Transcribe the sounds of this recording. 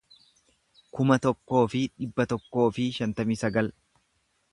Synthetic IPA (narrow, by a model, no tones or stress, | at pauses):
kʊmɐt̪ɔkːo̞ːfɪᶑɪbːɐt̪ɔkːo̞ːfɪʃɐnt̪ɐmiːsɐɡɐl